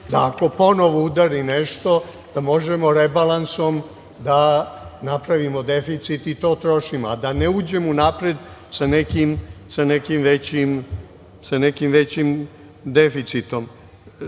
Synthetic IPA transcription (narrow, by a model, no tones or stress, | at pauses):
d̪aːko̞po̞noʋoud̪aɾineʃt̪o̞ | d̪̥amo̞ʒemo̞ɾebalˠanso̞m | d̪anapɾaʋimod̪e̞fit̪sit̪it̪o̞ːt̪ɾoʃimoad̪aneuːd͡ʑemunapɾed̪sanekimsanekimʋet͡ɕim | sanekimʋet͡ɕim | d̪efit̪sit̪o̞m